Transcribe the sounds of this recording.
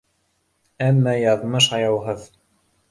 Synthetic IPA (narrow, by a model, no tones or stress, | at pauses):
æmːæjɑðmɤʃ̬ɑjɑwɦɤð